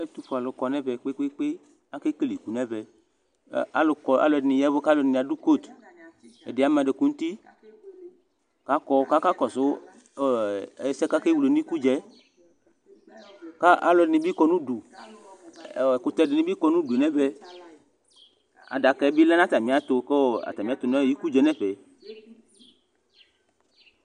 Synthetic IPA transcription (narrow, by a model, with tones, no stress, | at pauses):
e˦t̪u˦ɸo˨a˨lo˨kɔ˨nɛ̃˦vɛ˨k͡pe˦k͡pe˦k͡pe˦ | a˦ke˦ke˦li˨ku˨nɛ̃˦bɛ˨˦ | a˨˦lo˨kɔ˨a̰˦lo˨dnĩ˨jɛ˦vo˦ka˦lo˨nĩ˨a˨du˦ko˦˨t̪ | e˨de˨a˨mɛ̃˨ɖe˨ku˦ŋũ˦t̪i˦ | ka˦kɔ˦ka˦ka˦kɔ˨so˦˨˦ | sɛ˦ka˦ke˦wu˨lo˨nĩ˦ku˦d͡ʒɛ˦ | ka˦ʔa̰˦lɔ˨dɪ˨nĩ˨˦bi˦kɔ˧nũ˦du˨ | ko˨t̪ɛ˧˦dɪ˨nĩ˦bi˦kɔ˧nũ˦du˨nɛ̃˦bɛ˦ | a̰˨da˨kɛ˨˦bi˦lɛ˦nã˦t̪a˨mĩ˨˦a˦t̪o˧ko˦˨a̰˨t̪a˨mĩ˨a˨˦t̪o˨nɔ̃˦˨ji˦ku˦d͡ʒɛ˦nɛ̃˦ɸɛ˨